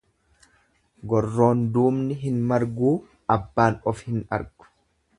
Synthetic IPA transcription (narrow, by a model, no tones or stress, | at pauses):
ɡɔrːo̞ːnd̪uːmnɪɦɪnmɐɾɡuː | ɐbːaːnɔfhɪnɐ̰ɾɡ̥ʊ̥